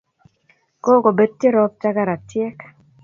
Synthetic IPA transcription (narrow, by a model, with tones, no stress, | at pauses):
ko˦ko˨be˦d̪̚tje˦ɾɔ˦p̚t͡ʃa˦ka˦˨ɾa˨tje˦k